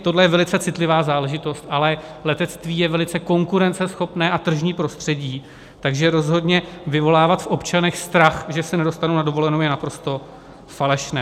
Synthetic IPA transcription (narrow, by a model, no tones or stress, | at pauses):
t̪o̞dlɛjɛvɛlɪt͡sɛt͡sɪt̪lɪvaːzaːlɛʒɪt̪o̞st̪ʔalɛlɛt̪ɛt̪t͡st̪viːjɛvɛlɪt͡sɛko̞ŋkuɾɛnt͡sɛsxo̞pnɛːʔat̪r̩ʒɲiːpɾo̞st̪r̝̥ɛɟiː | t̪aɡʒɛɾo̞zɦo̞dɲɛvɪvo̞laːvat̪fʔo̞pt͡ʃanɛxst̪ɾaxʒɛsɛnɛdo̞st̪anownado̞vo̞lɛnowjɛnapɾo̞st̪o̞ | falɛʃnɛː